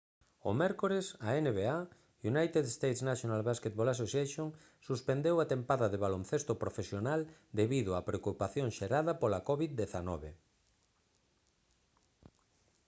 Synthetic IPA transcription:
o̰mɛɾkoɾesaeneβea | unajt̪eðest̪ejt̪snaʃjonalβasket̪̚bolas̬oseʃoŋ | suspend̪ewat̪empaðɐðeβalonθest̪opɾofesjonald̪eβiðʊapɾeokupaθjoŋʃeɾaðɐpolakɔβiðd̪eθanɔβe

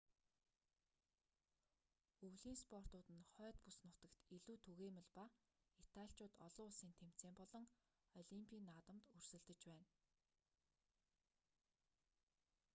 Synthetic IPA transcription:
ɵwɮiːnspɔr̥t̪ʊːt̪ɘ̆nχœːt̪pusnʊt̪ə̆kt̪iɮuːt̪ʰɵɣeːmə̆ɮpa | it̪ʰaɬʲt͡ɕʊːt̪ɔɮʊːʊɮsiːnt̪ʰem̥t͡seːmpɔɮɞ̆ŋ | ɔɮimpʰʲiːnːaːt̪ə̆mt̪ɵr̥sɵ̆ɮt̪ɘ̆t͡ɕpæːn

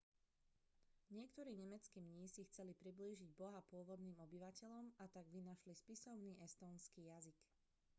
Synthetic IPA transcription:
ɲɪɛkt̪ɔɾiːɲɛmɛt͡skiːmɲiːsixt͡sɛlipɾibliːʒiɟbɔɦapʊɔʋɔd̪niːmɔbiʋacɛʎɔmat̪aɡʋinaʃlispisɔʊniːʔɛst̪ɔːnskiːjazik

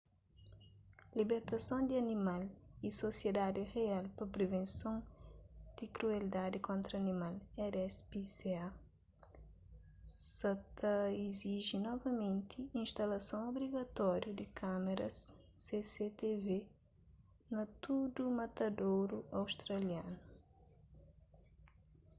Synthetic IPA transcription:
libeɾt̪ɐsõnd̪iɐnimalisosjed̪ad̪iʁealpɐpɾevẽnsõŋ | d̪̥ikɾueld̪ad̪ikõnt̪ɾɐɐnimalɛɾɛspisea | sɐt̪ɐiziʒinɔvɐmẽnt̪ʰiĩnʃt̪ɐlɐsõw̃obɾiɡɐt̪ɔɾjud̪ikʰameɾɐsː | eset̪eve | nɐt̪ud̪umɐt̪ɐd̪owɾuɐwʃt̪ɾɐljanu

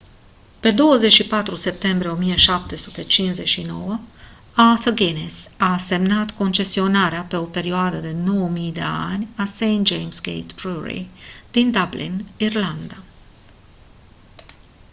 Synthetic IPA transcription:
pe̞d̪o̞wəzet͡ʃʃipat̪ɾuse̞p̚t̪e̞mbɾieo̞mije̞ʃap̚t̪e̞sut̪e̞t͡ʃinze̞t͡ʃʃino̞wə | aθəɡenesase̞mnat̪ko̞nt͡ʃe̞sio̞naɾeape̞o̞pe̞ɾioad̪əd̪e̞no̞wəmijd̪e̞̰a̰nʲasejnt̪̚d͡ʒejmsɡḛjt̪bɾuɾḭd̪̥ind̪ablḭnirland̪a

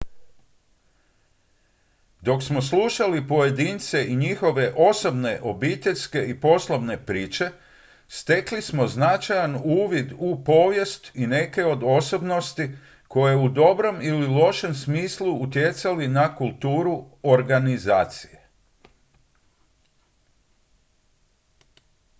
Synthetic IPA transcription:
d̪o̞ksmo̞sluʃalipo̞je̞d̪iːnt̪se̞ʔiɲixo̞ʋe̞ʔo̞so̞bne̞ʔo̞bit̪eʎʲske̞ipo̞slˠobne̞pɾiːt͡ʃe̞ | st̪e̞klismo̞znat͡ʃajanuːʋid̪upo̞ːʋje̞st̪ine̞ke̞o̞d̪o̞so̞bno̞st̪i | ko̞je̞ud̪o̞bɾo̞mililˠo̞ʃe̞msmiːslˠuːt̪je̞t̪salinakulˠt̪uːɾu | oɾɡanizaːt̪sije̞

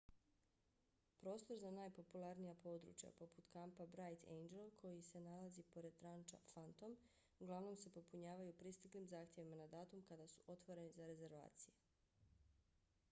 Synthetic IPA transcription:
pɾo̞ːst̪o̞ɾzanaːjpo̞pulˠaɾnijapo̞ːd̪ɾṵt͡ʃja̰po̞put̪kampabɾajt̪ʰḛjnd͡ʒelkʰo̞jise̞nalazipo̞ɾe̞d̪̚t̪ɾant͡ʃa̰fant̪o̞m | uɡlˠaʋno̞mse̞po̞puɲaːʋajupɾist̪iklimzaːxt̪je̞ʋimanad̪aːt̪umkad̪asu̥ʔo̞t̪ʋoɾe̞nizaɾe̞ze̞ɾʋa̰ːt̪sije

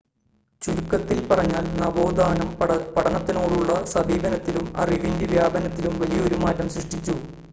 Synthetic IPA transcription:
t͡ɕuɾukːɐt̪ːilpɐrɐɲːaːlnɐbo̞ːd̪aːnɐmpɐʈʰɐnɐt̪ːino̞ːɽuɭːɐsɐbʱiːbɐnɐt̪ːilumɐ̰riʋindiʋjaːbɐnɐt̪ːilumʋɐlijɐo̞ɾumaːtːɐmsriʂʈit͡ɕːu

